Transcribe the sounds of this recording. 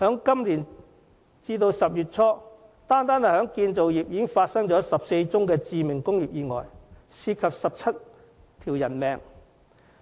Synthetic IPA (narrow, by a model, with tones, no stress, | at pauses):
hœː˨˥ŋkɐ˥mliː˨˩n | t͡siː˧t̪o˧wsɐ˨p̚jyː˨t̚t͡sʰɔː˥ | t̪aː˥nt̪aː˥nɐ˨˩hœː˨˥ŋkiː˧nt͡so˨wjiː˨p̚jiː˨˧kɪ˥ŋfaː˧t̚sɐ˥ŋt͡ʃɔː˨˥sɐ˨p̚se˧jt͡sʊ˥ŋkɛː˧t͡siː˨˧mɪ˨˩ŋkʊ˥ŋjiː˨˩p̚jiː˨˧ŋɔ̰ː˨˩jsiː˧kʰɐ˨p̚sɐ˨p̚t͡sʰɐ˥t | t̪ʰiː˨˩wjɐ˨˩nmɛː˨˩ŋ